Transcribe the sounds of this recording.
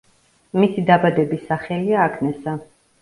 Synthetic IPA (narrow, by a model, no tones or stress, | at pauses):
misid̪abad̪ɛbisaχɛliaːkʰnɛsa